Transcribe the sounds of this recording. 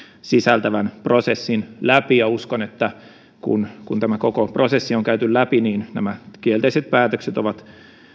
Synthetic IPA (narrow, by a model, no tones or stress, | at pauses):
sisælt̪æʋænprosesːinlæpijɑuskonet̪ːæ | kṵnkunt̪æmækokoprosesːioŋkæyt̪yllæpiniːnnæmækielt̪eiset̪̚pæːt̪økset̪oʋɑt̪